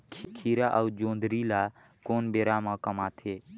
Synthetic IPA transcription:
kʰkʰiɾaʔəud͡ʒõːnd̪ɾila | koːnbeːɾamə̃kəmaːt̪ʰe

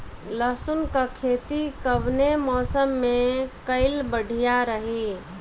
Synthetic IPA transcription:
ləɦsunkakʰet̪ikəbnemɔːsəmːekəɪlbəɽʱijaɾəɦi

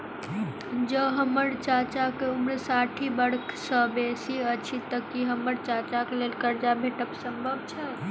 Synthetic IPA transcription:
d͡ʒəɦəməɾt͡ʃat͡ʃakeumɾesaʈʰibəɽksəbesiət͡ʃʰit̪əkiɦəmːəɾt͡ʃat͡ʃakelelkəɾd͡ʒabʱeʈəksəmbʱəbt͡ʃʰə

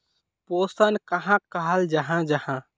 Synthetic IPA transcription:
posənkəɦãkəɦəld͡ʒəɦãd͡ʒəhã

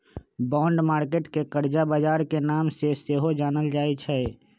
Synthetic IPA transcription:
bɔ̃ːɳɖmaːɾkeːʈkekəɾd͡ʒabəd͡ʒaːɾkenaːmseseɦod͡ʒaːnəld͡ʒaːit͡ʃʰɛː

